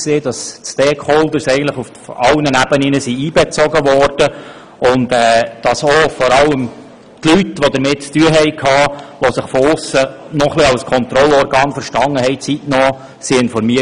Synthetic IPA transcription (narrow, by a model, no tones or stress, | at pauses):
seːd̥ɑssteːkχɔldəɾsɛɪɡəntlɪχuffɑwnənæb̥əninəsiiːbɛt͡sɔɡəʋɔrd̥ə | ʊndɛːd̥ɑsɔfɔɾɑləm | tlytːʋɔd̪əɾmɪttyəɦɛɪkʰɑːʋɔsɪχfɔʊsə | nɔχlɪɑlskʰɔnt̪ɾɔlɔɾɡɑːnfəɾʃtɑŋːəhɛɪt͡sitnɔː | siɪnfɔɾmiə